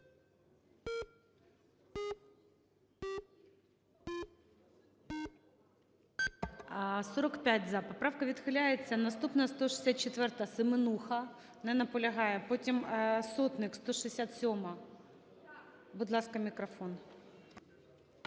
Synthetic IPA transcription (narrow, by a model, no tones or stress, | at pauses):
soɾɐkpʲætʲzapɐpɾafkɐvʲɪt̪xɨlʲæjɪt̪sɐnɐst̪upnɐst̪oʂɨ̥sʲat̪̚t͡ɕɪt̪vʲɛrt̪əsɨmɨnuxɐ | nɛnɐpʊlʲɪɣajɛpotʲɪmsot̪nɨkst̪oʂɨɪsʲat̪sʲomɐ | bʊd̪lˠaskɐmʲɪkɾɐfo̞n